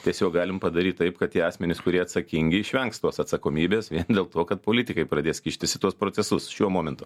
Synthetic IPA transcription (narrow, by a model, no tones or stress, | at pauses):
t̪ʲiɛsʲoːk̚ɡɑːlʲɪmpɐd̪ɐɾʲiːt̪t̪ɐɪpkɐt̪tʲiɛɑːsʲmʲɛnʲɪskʊɾʲiɛɐt̪sɐkʲɪŋʲɡʲɪɪʃʲʋʲɛŋkst̪oːsɐt̪sɐkoːmʲiːbʲeːsʋʲiɛnd̪ʲeːlˠt̪oːkɐt̪̚poːlʲɪt̪ʲɪkɐɪpɾɐd̪ʲeːskʲɪːʃʲt̪ʲɪsʲɪt̪uɔspɾoːt͡s̪ʲɛsʊsʃʲuɔmoːmʲɛnt̪ʊː